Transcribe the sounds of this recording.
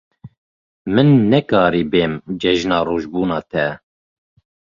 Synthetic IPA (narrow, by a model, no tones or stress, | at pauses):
mɨnːɛkɑːɾiːbeːmd͡ʒɛʒnɑːroːʒbuːnɑːt̪ʰɛ